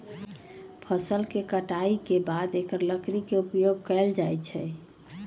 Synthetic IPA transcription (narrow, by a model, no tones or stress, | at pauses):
pʰəsəlkekəʈaikebad̪ekəɾləkɾikeupjoɡ̚kɛld͡ʒajt͡ʃʰɛ